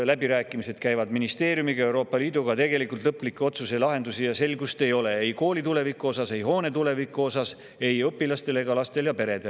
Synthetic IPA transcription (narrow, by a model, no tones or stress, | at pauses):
læbiɾæːkːˑimise̞d̪̥kæjvɑd̪minist̪e̞ːɾjumiɡɑewɾo̞ːpːˑɑliːd̪uɡ̥ɑt̪e̞ɡe̞likˑult̪lɤpːˑlikːˑeo̞t̪suse̞lɑɦe̞nd̪usijɑse̞lɡust̪e̞jo̞le̞ejko̞ːlit̪ule̞vikːˑuo̞sɑse̞jɦo̞ːne̞t̪ule̞vikːˑuo̞sɑs | e̞jɤpːˑilɑst̪e̞le̞ɡɑlɑst̪e̞ljɑpe̞ɾe̞d̪̥e̞l